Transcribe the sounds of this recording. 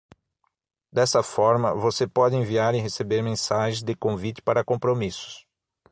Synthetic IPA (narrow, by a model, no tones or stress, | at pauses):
d̪ɛsɐfɔɾmɐvosepɔd̪ɪẽviaɾɪɦesebeɾmẽsaʒẽzd̪ɪkõvit̪ɪ̥paɾɐkõpɾomisʊ̥s